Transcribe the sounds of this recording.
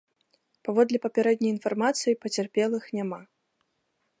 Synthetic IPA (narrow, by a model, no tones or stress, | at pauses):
pavɔd̪lʲɛpɐpʲaɾɛd̪ʲnʲɐjinfarmat̪sɨjipɐt͡sʲarpʲɛlˠɨxnʲama